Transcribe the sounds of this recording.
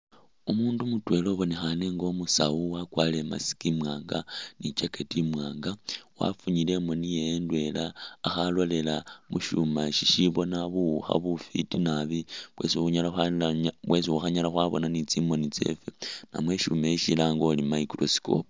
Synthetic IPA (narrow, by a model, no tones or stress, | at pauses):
umuːndumutwe̞lo̞βo̞nexane̞ŋɡo̞musa̰uwakwale̞ma̰si̥kimwaːŋɡanit͡ʃeketimwaːŋɡawa̰fuɲile̞monijeːndwe̞laːxalwole̞lamṵʃumaʃiʃiβo̞naβuxa̰βufitinaβiβwe̞̰siuɲalaxanlaβwe̞siwuxaɲalaxwaβo̞̰nanit͡simo̞nit͡se̞̰fena̰mwe̞ʃumeiʃilaŋɡo̞limaikɾosi̥ko̰p